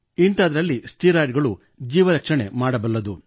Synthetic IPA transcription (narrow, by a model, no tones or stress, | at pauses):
int̪ɐːd̪ɐɾɐlːisʈiːɾaːɖɡɐɭu | d͡ʒiːʋɐɾɐkʂɐɳe̞maːɽɐbɐlːɐd̪u